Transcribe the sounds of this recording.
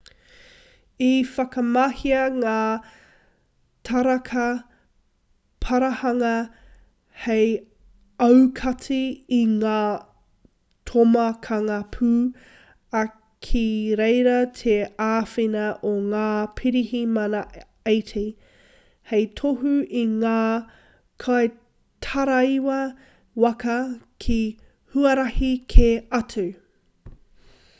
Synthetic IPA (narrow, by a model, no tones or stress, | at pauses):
ifɐkɐmɐhiɐŋaː | tʰɐɾɐkʰɐ | tʰɐɾɐhɐŋɐ | hej | ɐwkʰɐt͡siːŋaː | tʰomɐkʰɐŋɐpʰʉː | ɐ | kʰiɾejɾɐtʰeaːfinɐʔoŋaːpʰiɾihimɐnɐ | ejtʰi | hejtʰoɦuiŋaː | kʰaj | tʰɐɾɐiwɐ | wɐkɐkʰi | huɐɾɐhikʰeɐtʰu